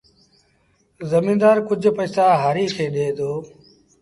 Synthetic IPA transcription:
zəmĩːnd̪aːɾkʊd͡ʒʱpəːsaːɦaːɾiːkʰeːɗeːd̪oː

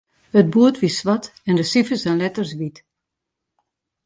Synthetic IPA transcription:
həd̚buətʋisʋɑtɛndəsifəsɛnlɛtərsʋit

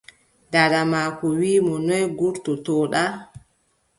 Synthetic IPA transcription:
daɾamakɔwiːmɔnɔjɡuɾtɔtɔɗa

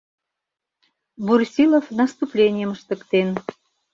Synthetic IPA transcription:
bursʲilofnɑst̪uplʲenʲijəməʃt̪ə̆kt̪en

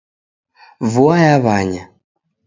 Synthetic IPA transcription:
vuajaβaɲa

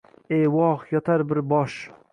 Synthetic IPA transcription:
ejwɒʁjɒt̪ʰaɾbɪɾbɒʃ

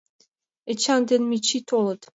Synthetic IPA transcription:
et͡ɕɑnd̪enmʲit͡ɕit̪ʰolˠɤt̪

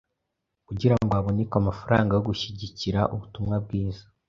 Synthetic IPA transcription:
kuɟiɾaŋɡoaβo̞nekamafaɾaːŋɡajo̞ɡuʃiɟiciɾaʔuβutumŋab̚ɡiːzḁ

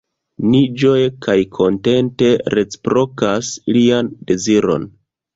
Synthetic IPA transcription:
nid͡ʒo̞jekajkʰo̞nte̞nte̞ɾe̞t͡si̥pɾo̞kasliande̞ziɾo̞̰n

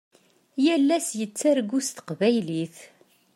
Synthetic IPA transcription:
jælːæsjət͡sːaɾɡust̪ə̥qvæjliθ

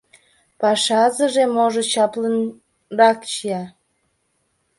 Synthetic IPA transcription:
pɑʃɑzəʒemoʒot͡ɕɑplən | rɑkt͡ɕijɑ

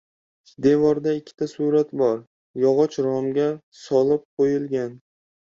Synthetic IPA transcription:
d̪e̞vɒɾd̪aɪkʲʰːɪ̥t̪ʰasuɾat̪bɒɾ | jɒʁɒt͡ʃɾɒmɡʲa | sɒlˠɪp̚qʰojɪlɡʲan

